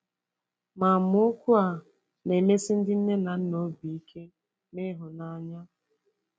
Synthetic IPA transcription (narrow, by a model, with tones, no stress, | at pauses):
ma˨mʊ˦o˦kʷu˦a˨ | ne˨me˦si˦n̩˦dɪ˦n̩˦ne˦na˨n̩˦no˨˦bi˨i˦kʰe˦ | me˦ɦʊ˨na˦ɲa˦